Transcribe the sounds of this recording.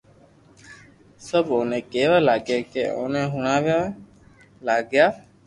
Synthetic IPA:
səboːnẽːkeːʋaːlaːɡeːkḛːʔo̰ːnẽːɦʊɳaːʋjaː | laːɡjaː

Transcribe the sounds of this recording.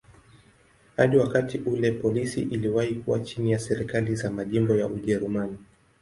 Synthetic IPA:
haɗiwakatiʔulɛpɔlisiʔiliwahikuwat͡ʃinijasɛɾikalizamaʄimbɔjaʔuʄɛɾumani

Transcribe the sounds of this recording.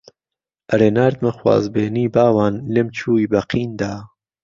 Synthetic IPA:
ʔɐɾeːnaːɾt̪mɐxwa̰ːzbeːniːbaːwaːnleːmt͡ʃʰuːiːbɐqʰiːnd̪aː

